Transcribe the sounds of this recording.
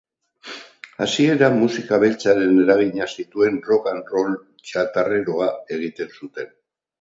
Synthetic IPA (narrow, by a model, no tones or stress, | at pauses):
asie̞ɾamusikaβe̞lt͡saɾe̞ne̞ɾaɣ̞iɲasit̪ue̞nro̞kanro̞l | t͡ʃat̪are̞ɾo̞ae̞ɣ̞it̪e̞nsut̪e̞n